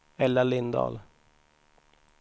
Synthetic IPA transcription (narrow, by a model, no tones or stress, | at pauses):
ɛlːalɪnd̪ɑ̰ːl